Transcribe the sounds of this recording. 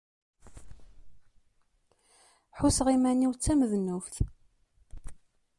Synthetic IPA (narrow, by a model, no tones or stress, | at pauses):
ħusʁimænːiwt͡sːæməðnufθ